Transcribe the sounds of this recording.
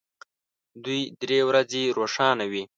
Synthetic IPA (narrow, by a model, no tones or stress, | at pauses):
d̪ujd̪ɾewɾazeɾoʂɑnawi